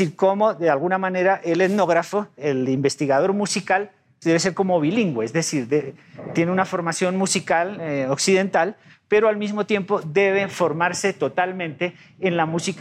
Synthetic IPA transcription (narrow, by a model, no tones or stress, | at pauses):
iɾkomo̞ðealɣunamãne̞ɾaʔeleðno̞ɣɾafoelimbe̞st̪iɣað̞o̞ɾmusikal | d̪e̞βes̬e̞ɾko̞moβiliŋɡweezðe̞siɾðet̪je̞neunafo̞ɾmasjo̞nmusikaloksiðe̞nt̪al | pe̞ɾoalmizmot̪je̞mpo̞ðe̞βefo̞ɾmaɾse̞t̪o̞t̪almẽ̞nt̪e̞ː | nlamusik